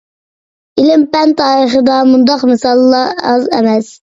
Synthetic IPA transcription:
ilɪmpɛnt̪ʰːɑːɾəχəd̪ɑmund̪ɑqmɪsɑlˠːɑɑzɛ̰mɛs

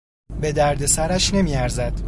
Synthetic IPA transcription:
be̞d̪æɾd̪e̞sæɾæʃne̞miːæɾzæd̪̥

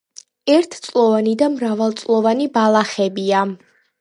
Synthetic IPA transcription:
ɛɾt̪ʰt̪sʼlˠɔvanid̪amɾavalˠt̪sʼlˠɔvanibalˠaχɛbia

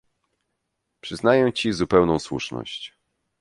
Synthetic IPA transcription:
pʂɘznajɛmt͡ɕizupɛwnɔ̃w̃swṵʂnɔ̰ɕt͡ɕ

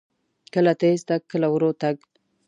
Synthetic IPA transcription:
kəlat̪est̪ak̚kːəlawɾot̪aɡ̚

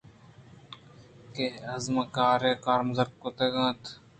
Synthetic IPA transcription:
keɐzməkaːɾeːkaːɾməzəkkot̪eːɡãːt̪

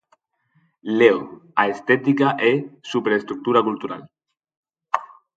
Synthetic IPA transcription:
leoaest̪ɛt̪ikaʔesupɾeest̪ɾuk̚t̪uɾakult̪uɾa̰l

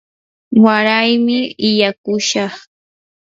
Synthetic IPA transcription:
waɾajmɪɪjakʊʃɑχ

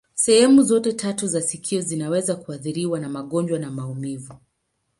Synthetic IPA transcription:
sɛhɛmuzɔtɛtʰatuzasikʰiɔzinawɛzakuaθiɾiwanamaɠɔnd͡ʒwanamaumivu

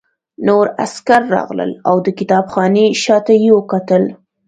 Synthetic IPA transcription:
noɾa̰skaɾːɑ̰ɣlə̰lawd̪əkɪt̪ɑbxɑneʃɑt̪ajiwəkat̪əl

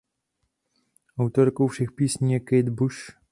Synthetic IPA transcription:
ʔawt̪oɾkowfʃɛxpiːsɲiːjɛkɛjd̪buʃ

